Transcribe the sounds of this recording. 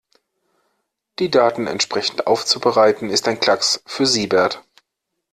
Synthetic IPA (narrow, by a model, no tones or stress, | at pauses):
d̥iːdaːtn̩ɛ̰ntʃpʁ̥ɛçn̩tʔa̰ʊft͡subəʁaɪtn̩ɪstaɪnkʰl̥aksfyːɐziːbɛɐt